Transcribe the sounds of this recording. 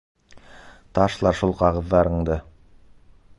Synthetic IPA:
t̪ɑʃlˠɑɾʃulˠqɑʁɤ̆ðːɑɾɤ̆ɴd̪ɤ

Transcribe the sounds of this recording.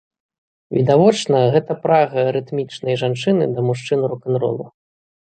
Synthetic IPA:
vʲid̪avɔt͡ʂnɐɣɛt̪ɐpɾaɣɐɾɨt̪mʲit͡ʂnɐjʐant͡ʂɨnɨ̰d̪ɐmuʂt͡ʂɨnɾukanɾɔ̰lˠṵ

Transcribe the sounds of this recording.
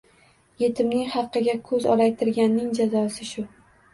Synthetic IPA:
je̞t̪ʰɪmnɪŋχɑqːɨɡʲakʰɵzɒ̰lajt̪ʰɪɾɡʲanːɪŋd͡ʒazɒsɪʃʊ

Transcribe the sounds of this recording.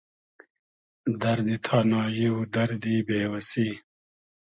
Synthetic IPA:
d̪ɐɾd̪it̪ʰaːnaːjiwud̪ɐɾd̪ibeːwɐsiː

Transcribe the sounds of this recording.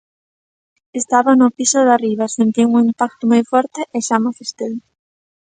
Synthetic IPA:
est̪aβanʊpisoðariβ̞asent̪iŋuŋimpak̚t̪omojfɔɾt̪eʔeʃamafest̪el

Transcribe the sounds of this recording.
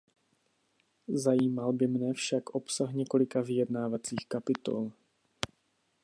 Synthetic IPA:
zajiːmalbɪmnɛfʃakʔo̞psaxɲɛko̞lɪkavɪjɛdnaːvat͡siːxkapɪt̪o̞̰l

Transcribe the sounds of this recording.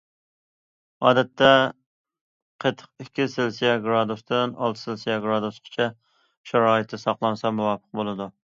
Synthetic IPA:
ɑːd̪ɛt̪ʰːɛ | qʰəjt̪ʰːə̥q̚ɪkʲʰːɪsɪlsijɑɡɾɑd̪ust̪ɪnɑ̰lˠt̪ʰɨ̥sɪlsijɑɡɾɑd̪usqʰɨ̥t͡ʃʰɛ | ʃɑɾɑːɨt̪ʰːɪsɑqlˠɑnsɑmuwɑpʰə̥q̚bolˠɨd̪u

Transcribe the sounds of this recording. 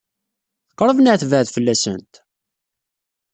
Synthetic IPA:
θə̥qːɾˤəvnəʕθvəʕðfəlːæsə̰nt̪

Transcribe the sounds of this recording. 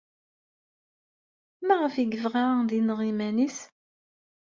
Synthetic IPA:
mæʁəfiɡəvʁaðinʁimænis

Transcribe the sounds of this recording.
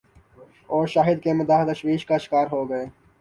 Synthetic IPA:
ɔːɾʃaːɦɪd̪kemɪd̪aːt̪ɐʃwiːʃkaʃɪ̥kaːɾɦoːɡɐeː

